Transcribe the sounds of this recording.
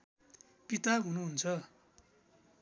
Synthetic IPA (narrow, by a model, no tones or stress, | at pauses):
pit̪aɦunuɦunt͡sʰʌ